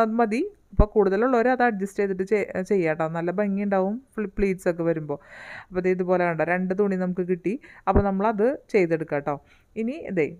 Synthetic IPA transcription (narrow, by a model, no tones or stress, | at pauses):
ɐmɐd̪iɐpːo̞ːkuːɽuðɐluɭːɐoɾɐðɨɐɖ̚d͡ʑɐsʈejt̪ːiʈ̬ːɨet͡ɕe̞jːaːʈːoːnɐlːɐbɐŋːiɳɖaːʋumfpɭiːʈso̞k̬ːe̞ʋɐɾumbo̞ːɐpːoɐðeiðupo̞ːleuɳɖɐɾe̞ɳɖɨt̪̬uɳːinɐmukːɨkiʈːiɐpːoːnɐmːɐɭɐðɨt͡ɕe̞jt̪̬ːe̞ɽukːaːʈːoː | iniɐ̰d̪ḛ